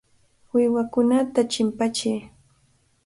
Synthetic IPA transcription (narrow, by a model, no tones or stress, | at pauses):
wɪwakʊnat̪at͡ʃɪmpat͡ʃɪj